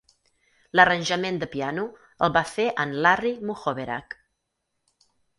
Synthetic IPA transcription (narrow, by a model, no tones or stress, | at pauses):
lərənʲʒəmend̪əpianu | əlˠβafeʔənlarimuxoβeɾa̰k